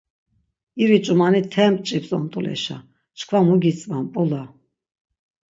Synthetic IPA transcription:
iɾit͡ʃʼumanit̪ʰɛmpʼt͡ʃʼipsʼɔ̰mt̪ʼulɛ̰ʃa̰ | t͡ʃkʰvamuɡit͡sʼvampʼula

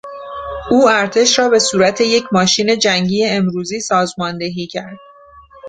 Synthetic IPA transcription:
uːæɾt̪ʰe̞ʃɾɒːbe̞suːɾæt̪ʰe̞je̞cʰmɒːʃiːne̞d͡ʒæŋɟiːje̞ːmɾuːziːsɒːzmɒːnd̪eɦiːcʰæɾd̪̥̚

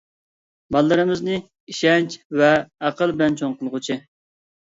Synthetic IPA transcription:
bɑlˠːɨɾɨmɨznɨ | iʃɛnt͡ʃvɛːqəlˠbɪlɛnt͡ʃʰoŋqəlˠʁʊt͡ʃʰɪ

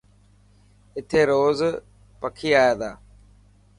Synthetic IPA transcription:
ɪt̪ʰeːɾoːz | pəkʰiːaːjaːd̪aː

